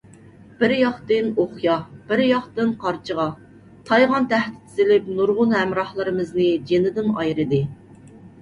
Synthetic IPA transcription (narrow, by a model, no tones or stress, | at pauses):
b̥ɪɾjɑχt̪ɨnoχjɑb̥ɪɾjɑχt̪ɨnqʰɑɾt͡ʃʰəʁɑ | t̪ʰɑjʁɑnt̪ʰæht̪ɪ̥t̪ʰɪzɪlɪpnuɾʁʊnhɛmɾɑhlˠɨɾɨmɨznɪd͡ʒenɪd̪ɪnɑjɾɨd̪ɨ